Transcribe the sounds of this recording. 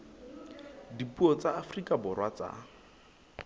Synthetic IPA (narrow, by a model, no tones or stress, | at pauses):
dipuɔt͡sʼaafrikʼabʊrwat͡sa̰